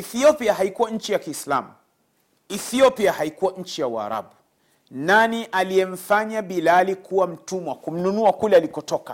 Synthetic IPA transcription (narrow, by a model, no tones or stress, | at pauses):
iθiɔpiaɦaikuwaɲ̩t͡ʃijakiːsla̰mu | iθiɔpiahaikuwaɲ̩t͡ʃijawa̰ɾa̰ɓu | naniʔalijɛm̩faɲaɓilalikuwam̩tumwakum̩nunuakulɛalikɔtɔka